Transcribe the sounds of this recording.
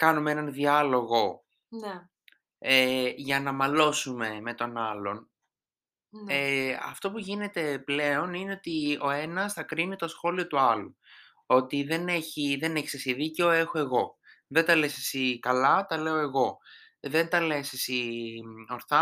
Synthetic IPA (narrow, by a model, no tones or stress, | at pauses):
kɐnumeenɐnðiɐlo̞ɣo̞ | n | eʝɐnɐmɐlo̞sume̞me̞t̪o̞nɐlo̞n | eɐ̰ft̪o̞puʝine̞t̪e̞ple̞o̞nine̞o̞t̪io̞e̞nɐsθɐkɾinit̪o̞sxo̞lio̞t̪uɐlu | o̞t̪iðe̞ne̞çiðe̞ne̞çi̥sesiðiceo̞e̞xoe̞ɣo̞ | ðe̞nd̪ɐle̞sesikɐlɐt̪ɐle̞o̞e̞ɣo̞ | ðe̞nt̪ɐle̞sesi | o̞ɾθɐ